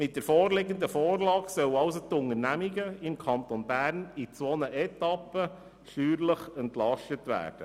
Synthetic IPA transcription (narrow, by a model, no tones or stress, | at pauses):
mɪt̚d̥ɛɾfɔːrleɡənd̪əfɔːɾlɑːɡsœwɑʊs̬ot̪ʊŋəɾnæmiɡəɪmkʰɑnt̪onbæːɾnit͡sʋɔnəʔɛtɑpːə | ʃyːɾləχəntlɑʃtətʋæ̰ːɾd̥ə